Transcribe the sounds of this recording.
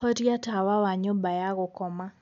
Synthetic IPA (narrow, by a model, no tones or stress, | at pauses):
ɔɾjatawawaɲobajaɣokɔma